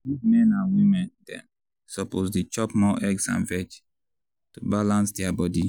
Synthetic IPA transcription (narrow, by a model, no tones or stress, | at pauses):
wizmɛ̃nãnwĩmɛ̃ndɛ̰̃n | sɔposdet͡ʃɔpmɔʔɛɡsã̰nvɛt͡ʃ | tubalãnsdɛabɔdi